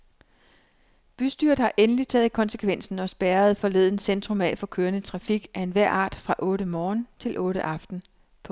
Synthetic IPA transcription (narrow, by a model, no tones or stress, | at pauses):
b̥ysd̥yɐd̩ˠhɑ̈ʔenəlit͡sʰɛ̰ːð̩ˠikʰɒ̽nsə̥kʰʋen̰sn̩ɒ̽sb̥æːɐð̞̩ˠfɒ̽le̝ðˠn̩send̥ʁɔ̽mɛ̰fɒ̽kʰøːɐnət͡sʰʁɑ̈fiɡ̥æe̝nʋæɐ̰ʔɑ̰̈ːd̥fʁɑ̈ʔɔ̽ːɾ̥əmɒːnt͡sʰe̝lʔɔ̽ːɾ̥əʔɑ̈fd̥n̩ | pʰɒ̽